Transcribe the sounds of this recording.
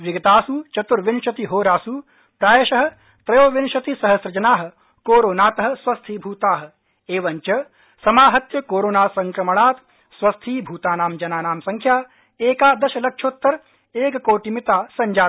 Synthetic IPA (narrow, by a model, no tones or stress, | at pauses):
ʋiɡɐt̪aːsut͡ʃɐt̪uɾʋinʃɐt̪iɦoːɾaːsu | pɾaːjɐʃɐɦɐ̆ | t̪ɾɐjoːʋɪnʃɐt̪isɐɦɐsɾɐd͡ʒɐnaːɦɐ̆ | koːɾoːnaːt̪ɐɦɐ̆sʋɐst̪ʰiːbʱuːt̪aːɦɐ̆ | eːʋɐɲt͡ʃɐ | sɐmaːɦɐt̪jɐkoːɾoːnaːsɐŋkɾɐmɐɳaːt̪ | sʋɐst̪ʰiːbʱuːt̪aːnaːmd͡ʒɐnaːnaːmsɐŋkʰjaː | eːkaːd̪ɐʃɐlɐkʃʰoːt̪ːɐɾ | eːkɐkoːʈimit̪aːsɐɲd͡ʒaː